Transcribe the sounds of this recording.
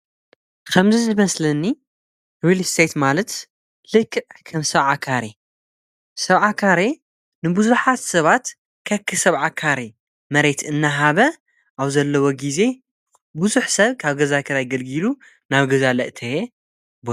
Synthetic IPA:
kʰɐmzizɨmɐslɐnːi | wilst̪ʰet̪malɐt̪ | lɨkʰːɨʕkʰɐmsɐβʕakʰaɾe | sɐβʕakʰaɾe | nɨbuzuħat̪sɐβat̪ | kʰɐkʰːɨsɐβʕakʰaɾe | mɐɾe̞t̪ɨnːaɦaβɐ | ʔaβzɐlːɐwoɡize̞ | buzuħsɐβkʰaβɡɐzakʰɐɾajɡɐlɡilu | naβɡɐzalɐʔt̪ʰɐe | bo

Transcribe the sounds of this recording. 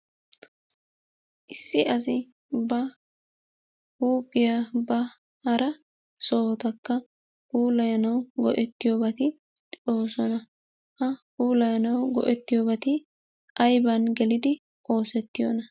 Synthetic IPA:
ʔɪsːɪɐs̬ɪ | bɐ | huːpʼːɪjabɐ | hɐɾʔɐ | so̞ːt̪ɐkːɐ | huːlɐjɐnɐwɡɔʔɛt̪ːɪjoːbɐt̪ɪ | o̞ːsɔnɐ | hɐhuːlɐjɐnɐwɡɔ̰ʔɛt̪ːɪjoːbɐt̪ɪ | ʔɐjbɐnɡɛlɪd̪ɪ | o̞ːsɛt̪ːɪjonɐ

